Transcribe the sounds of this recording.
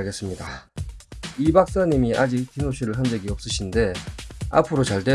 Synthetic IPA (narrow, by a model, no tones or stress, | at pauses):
ɡe̞s͈ɯmɲida | ibak̚s͈aɲimiʔad͡ʑik̚k͈inoɕʰiɾɯɭçjʌnd͡ʑeɡiʌp̚s͈ɯɕʰinde̞a̰pʰɯɾot͡ɕaɭtwe